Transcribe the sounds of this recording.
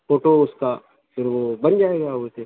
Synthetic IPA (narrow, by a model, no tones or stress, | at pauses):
foːʈoʊska | fɪɾʋobɐnd͡ʒaːeːɡaɦuet̪ʰe